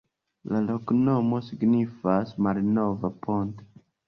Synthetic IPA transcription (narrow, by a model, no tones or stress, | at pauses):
lalo̞kno̞mo̞siɡnifasmalno̞vapʰo̞nto̥